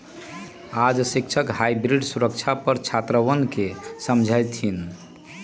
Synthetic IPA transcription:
ad͡ʒsikt͡ʃʰəkhajbɾiɖsuɾəkt͡ʃʰapəɾt͡ʃʰat̪ɾəʋənkesəmd͡ʒʱəjt̪ʰin

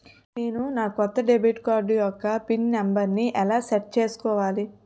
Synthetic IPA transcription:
neːnunaːkɔt̪ːɐɖebiːʈkaːɾɖjɔkːɐpinːɐmbɐɾniʔɛlaːsɛʈ̚t͡ʃe̞ːsu̥kɔːʋaːli

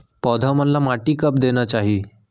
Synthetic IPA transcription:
pɔd̪ʱamənlamaʈiːkəp̚d̪eñat͡ɕaɦiː

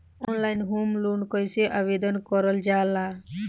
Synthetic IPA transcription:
ɔnlajnɦumlunkɔjseʔabed̪ɔnkɔɾɔld͡ʒaːla

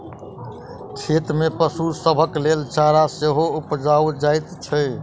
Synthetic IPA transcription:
kʰet̪mepəsusəbʱəklelt͡ʃaɾaseɦoupd͡ʒaud͡ʒajt̪t͡ʃʰə

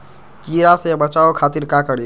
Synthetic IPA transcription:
kiːɾasebət͡ʃaːokʰaːt̪iɾkakəɽi

